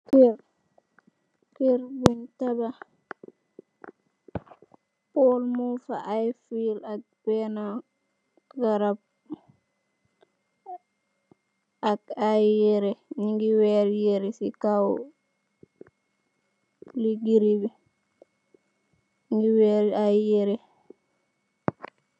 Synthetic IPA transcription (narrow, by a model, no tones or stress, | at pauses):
kɛɾ | kɛɾbuntaba | polmufa̰ʔajfilak̚ | bɛna | kaɾab̚ | akajɛɾɛɲiŋɡiwɛɾjɛɾɛsḭkaw | liɡiɾibi | ŋɡiwɛɾajjɛɾɛ